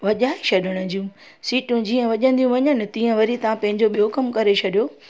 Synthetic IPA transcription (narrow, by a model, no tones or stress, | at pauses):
ʋɐʄaːiʃʰɐɗʱəɽ̃ʊ̆d͡ʑijũ | siːʈũd͡ʑiːə̃ʋɐʄə̃nd̪ijũʋɐɲənɪ̆t̪iːə̃ʋɐɾit̪ɐʋãpɐ̃ɦɪ̃ɲd͡ʑoɓijokɐmkɐɾet͡ɕʰɐɗijoː